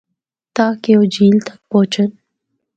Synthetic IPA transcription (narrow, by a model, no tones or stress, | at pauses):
t̪aːkeod͡ʒiːlt̪ḁk̚poːt͡ʃən